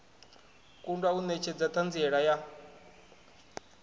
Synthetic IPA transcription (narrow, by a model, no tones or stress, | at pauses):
kʼundwaunɛt͡ʃʰɛd͡zat̪ʰand͡ziɛɺaja